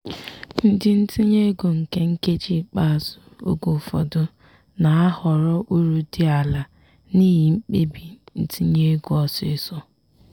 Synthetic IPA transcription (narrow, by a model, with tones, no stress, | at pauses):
n̩˦dɪ˦n̩˦ti˦ɲe˦ɡo˨ŋ̩˨ke˦ŋ̩˦ke˦d͡ʒi˦˨k͡pa˦a˨zʊ˨o̰˦ɡo˨fɔ̰˨dʊ˦ | na˨a˦hɔ˨ɾɔ˦ʔu˦ɾu˨di˦a˨la˨ | niː˦ɦi˨ŋ͡m̩˦k͡pe˦bi˨n̩˦ti˦ɲe˦ɡo˨ɔ˨sɪ˦sɔ˦